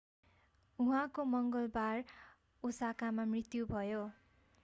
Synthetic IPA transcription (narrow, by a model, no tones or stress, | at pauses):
uɦãkomʌŋɡʌlbar | usakamamrit̪jubʱʌjo